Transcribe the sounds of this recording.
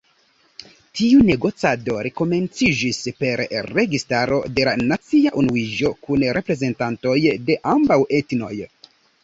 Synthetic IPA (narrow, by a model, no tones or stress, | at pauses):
tiune̞ɡo̞t͡sado̞ɾeko̞me̞nt͡sid͡ʒispe̞ɾɾe̞ɡistaɾo̞̰de̞lanat͡siaʔunuid͡ʒo̞kunɾʔe̞pɾe̞ze̞ntanto̞jde̞ʔambawe̞tno̞̰j